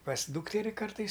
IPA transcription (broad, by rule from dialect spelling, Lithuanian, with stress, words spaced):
pɐs ˈduːktʲɛrʲɪ ˈkɐrtɐɪs